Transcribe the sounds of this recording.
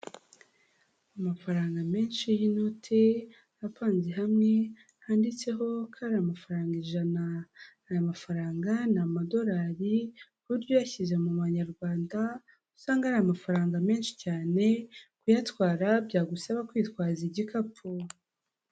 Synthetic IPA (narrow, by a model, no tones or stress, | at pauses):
amafaɾaːŋɡame̞ːnʃijino̞tʰe̞ | apaːnziɦamŋe̞ | andit͡se̞ɦo̞kʰaɾaamafaɾaːŋɡeʒanaː | jamafaɾaːŋɡanamado̞ɾaːɾi | βuɾɟojaçizemuβaɲaɾɡwaːnda | usaːŋɡahɾajamafaɾaːŋɡame̞ːnʃi̥caːne̞kujatkwaːɾabɟaːɡusaβakwiːtkwaːziɟikapʰo